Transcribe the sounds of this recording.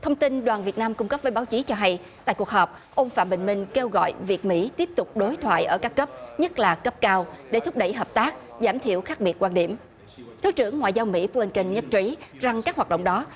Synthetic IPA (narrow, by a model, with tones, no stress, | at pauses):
t̪ʰə˧wŋ͡mt̪i˧nɗwaː˨˩nvi˨˩ət̚naː˧mkʊ˧ŋ͡mkə˦˥p̚vəː˨˦jɓaː˨˦wt͡ɕi˨˦t͡ɕɔ˧ɦa˧j | t̪a̰ː˧˨jku˨˩ək̚ɦəː˨˩p̚ | ʔə˧wŋ͡mfa̰ː˧˩mɓḛ˧˨˩ŋ̟mï˧ŋ̟ke˧wɣɔ̰˧˨jvi˨˩ət̚mḭ˧˥t̪i˦˥əp̚t̪ʊ˨˩k͡p̚ɗo˨˦jt̪ʰwa̰ː˧˨jʔəː˧˩kaː˦˥kːə˦˥p̚ɲə˦˥t̚laː˨˩kə˦˥p̚kaː˧wɗe˧˩t̪ʰʊ˦˥k͡p̚ɗə̰˧˩jɦəː˨˩p̚t̪aː˦˥k̚ | zaː˧˩mt̪ʰḭ˧˨əwxaː˦˥k̚ɓi˨˩ət̚kwaː˧nɗḭ˧˩əm | t̪ʰi˨˦wt͡ɕɨ˧˩əŋːwa̰ː˧˨jzaː˧wmḭ˧˥pli˧nkə˧nɲə˦˥t̚t͡ɕi˨˦za˨˩ŋkaː˦˥k̚ɦwaː˨˩t̚ɗ̰wŋ͡mɗɔ˨˦